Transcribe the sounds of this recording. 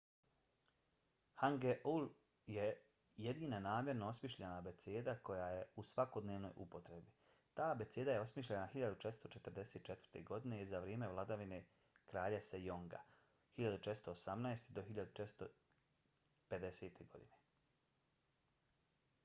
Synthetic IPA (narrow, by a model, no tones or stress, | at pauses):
haŋɡeʔul | je | jed̪iːnanaːmjeɾnoosmiʃʎanabe̞t̪seːd̪ako̞jajeusʋako̞d̪neːʋno̞̰jupo̞t̪ɾe̞bi | t̪aːbe̞t̪seːd̪ajeo̞smiʃʎenaxiʎad̪ut͡ʃe̞t̪st̪o̞t͡ʃet̪ərɾd̪e̞seːt̪̚t͡ʃe̞t̪vəɾr̥t̪e̞ɡo̞d̪ine̞izaʋɾjeːme̞ʋlˠad̪aʋine̞ | kɾaːʎesejoŋɡa̰ | hiʎad̪ut͡ʃet̪st̪oːsamnaest̪id̪o̞xiʎad̪ut͡ʃet̪st̪o | pe̞d̪ese̞ːt̪ʰe̞ɡo̞̰d̪ine̞